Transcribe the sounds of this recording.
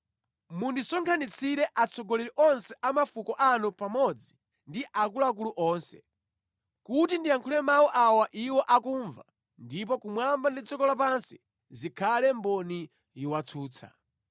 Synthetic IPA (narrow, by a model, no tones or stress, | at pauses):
mundisɔŋkʰanit͡sʰiɾɛʔat͡sʰɔɡɔlɛɾiʔɔnsɛʔamafukɔʔanupamɔd͡zi | ndiʔak̬ulɔak̬uluʔɔːnsɛ̰ | kutindiaŋkʰulɛmawɔʔawaʔiwɔʔakuːɱva̰ | ndip̬ɔkumwambandit͡sɔkɔlap̬ansi | zikʰalɛmbɔni | jiwat͡sʰuːt͡sʰa̰